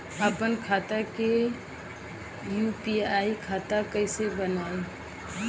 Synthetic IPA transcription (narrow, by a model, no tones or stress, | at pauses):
əpənkʰaːt̪ake | juːpiaːikʰaːt̪akəɪsebənaːi